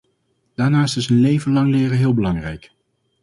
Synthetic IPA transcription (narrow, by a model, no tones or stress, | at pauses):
d̥aːɹnaːɪstɪsənlejvənlɑŋlɪːrəɦɪːlˠbəlɑŋrɛjk